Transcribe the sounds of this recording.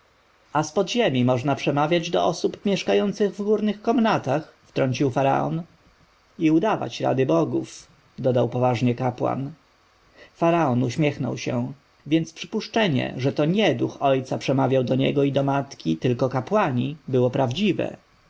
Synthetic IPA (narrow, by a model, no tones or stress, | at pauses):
aspɔd̪ʑemʲimɔʐnapʂɛmavʲjad͡ʑd̪ɔʔɔsupmʲjɛʂkajɔnt̪sɘɣvɡuɾnɘxkɔmnat̪axft̪ɾɔɲt͡ɕiwfaɾa̰ɔ̰n | iud̪ava̰t͡ɕɾa̰d̪ɘbɔɡuf | d̪ɔd̪awpɔvaʐɲɛkapwa̰n | faɾaɔnuɕmʲjɛxnɔ̰wɕɛ̰̃ | vʲjɛnt̪spʂɘpuʂt͡ʂɛɲɛ̰ʐɛt̪ɔɲɛd̪uxɔjt̪sapʂɛmavʲjawd̪ɔɲɛ̰ɡɔid̪ɔmat̪kʲit̪ɘlkɔkapwaɲibɘwɔpɾavd͡ʑivɛ̰